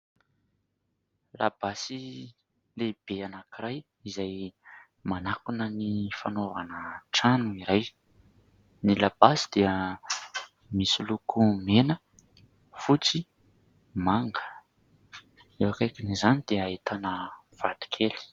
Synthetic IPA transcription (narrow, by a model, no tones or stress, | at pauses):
la̰basi | leb̥eanakiɾaj | izaj | manakunənifanovanəʈ͡ʂanuiɾaj | nilab̥asid̪̥eə | misilukʰumenə | fut͡si | maŋɡə̥ | ewakajkinizanid̪̥eait̪anə | v̥ad̪̥i̥kʰeli̥